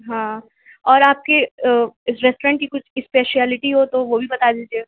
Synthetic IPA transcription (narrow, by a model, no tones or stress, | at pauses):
ɦã | ɔːɾaːp̚keɪsɾɛsʈoɾɛ̃ɳʈ̚kikʊt͡ʃʰɪspeːʃɛːlɪʈiɦot̪oʋobʱibɐt̪ad̪iːd͡ʒeː